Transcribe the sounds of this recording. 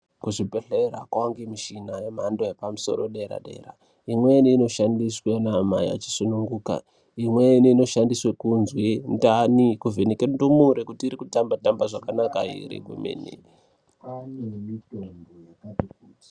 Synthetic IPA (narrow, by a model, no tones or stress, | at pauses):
kuʐipeɬeɾa̰kwaŋɡemiʃinajemaːndoepamuso̞̰ɾoɗeɾa̰ɗe̞̰ɾa̰ | imweniːno̞ʃandiswenama̰ja̰t͡ʃi̥sunuŋɡuːka̰ | imweniino̞ʃandiswekunzwendanikuvʱenikendumuɾekutiːɾikutambatambaʐakanakaḭɾḭɡwḛmḛːnḭ | anemitoŋɡojakatik̚uː